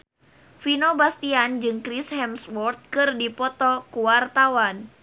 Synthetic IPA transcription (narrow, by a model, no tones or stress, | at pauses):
finobast̪iand͡ʒɨŋkɾishɛmswɔrt̪̚kɨrdipɔt̪ɔkuwart̪awan